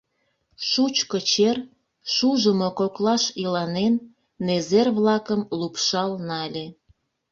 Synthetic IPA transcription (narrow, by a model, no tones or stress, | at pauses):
ʃut͡ɕkət͡ɕer | ʃuʒəmokoklɑʃilɑnenː | ezerβlɑkəmlupʃɑlnɑlʲe